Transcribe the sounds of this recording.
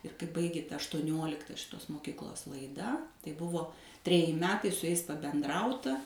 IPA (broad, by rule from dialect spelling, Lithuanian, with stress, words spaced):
ɪr kɐɪ ˈbɐɪɡʲeː ˈtɐ ɐʃtuɔˈnʲoːlʲɪktɐ ʃʲɪˈtoːs moːˈkʲɪklˠoːs lˠɐɪˈdɐ tɐɪ ˈbʊʋoː tʲrʲɛˈjɪ ˈmʲæːtɐɪ sʊ jɛɪs pɐbʲɛnˈdrɐʊtɐ